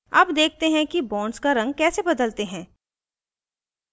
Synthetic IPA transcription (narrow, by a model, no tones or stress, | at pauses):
ɐ̰bd̪eːk̚ʰt̪eɦɛ̃kibɔ̃ːɳɖskaɾɐ̃ŋɡ̚kɛːsebɐd̪əlt̪eɦɛ̃ː